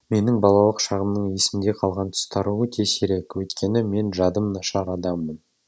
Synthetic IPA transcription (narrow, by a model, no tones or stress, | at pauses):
me̞nɪŋbɑlˠɑlˠəqʃɑʁəmnəɴje̞sɪmd̪e̞qʰɑlˠʁɑnt̪ʰʏ̥st̪ʰɑɾuwət̪ʰe̞se̞ɾe̞kwɵjt̪kʲe̞nɪme̞nʒɑd̪əmnɑʃɑɾɑd̪ɑmːən